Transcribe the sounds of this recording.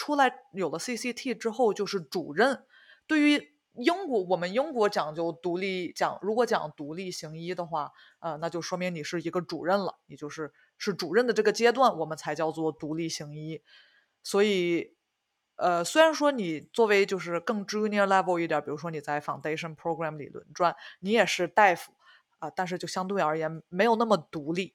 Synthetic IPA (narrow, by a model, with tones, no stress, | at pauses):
ʈ͡ʂʰu˥la˧˥ɪjo˨˩lə˦si˥˩si˥t̪ʰi˥˩ʈ͡ʂɻ̩˥xo˥˧ʊt͡ɕjo˥˧ʊʂɻ̩˥˩ʈ͡ʂu˨˩ɻə˥˩n | t̪we˥˩ɪy˧˥ | i˥ŋkwɔ˧˥wɔ˨˩mə˦nji˥ŋkwɔ˧˥t͡ɕjɑ˨˩ŋt͡ɕjo˥˩ʊt̪u˧˥li˥˩t͡ɕjɑ̰˨˩˦ŋɻu˧˥kwɔ˧˥t͡ɕjɑ̰˨˩ŋt̪u˧˥li˥˩ɕi˧˥ŋi˥d̪ə˨xwa˥˩ | ə˧na˥˧t͡ɕjo˥˧ʊʂwɔ˥mi˧˥ŋni˨˩ʂɻ̩˥˩i˧˥ɡə˧ʈ͡ʂṵ˨˩ɻə˥˩nlə̰˩ni˨˩t͡ɕjo˥˧ʊʂɻ̩˥˧ | ʂɻ̩˥˩ʈ͡ʂu˨˩ɻə˥˩nd̪ə˩ʈ͡ʂɤ˥˩ɡə˩t͡ɕjɛ˥t̪̬wa˥˩nwɔ˨˩mə˦nt͡sʰa˧˥ɪt͡ɕjɑ˥˧ʊt͡swɔ˥˩t̪u˧˥li˥˩ɕi˧˥ŋi˥ | swɔ˧˥i˨˩˦ | ə˧swe˥ɪɻa˧˥nʂwɔ˥ni˨˩t͡swɔ˥˩we˧˥ɪt͡ɕjo˥˧ʊʂɻ̩˥˧kɤ˥˩ŋʈ͡ʂɻ̩˥y˧˥ni˧˥la˥po˥˧ʊi˥˩t̪jpi˨˩ɻu˧˥ʂwɔ˥ni˨˩t͡sa˥˩ɪfɑ˨˩ŋt̪e˥ɪʂə˥npʰɹo˥ʊkɹa˥˩mlḭ˨˩lwə̰˧˥nʈ͡ʂwa˥˩nni˧˥jɛ˨˩ʂɻ̩˥˧t̪a˥˩ɪfu˨˩˦ | ə˧t̪a˥˧nʂ̬ɻ̩˥˧t͡ɕjo˥˩ʊɕjɑ˥ŋt̪wɪə˞˧˥jɛ˧˥nme˧˥ɪjo˨˩ʊna˥˩mə˩t̪u˧˥li˥˩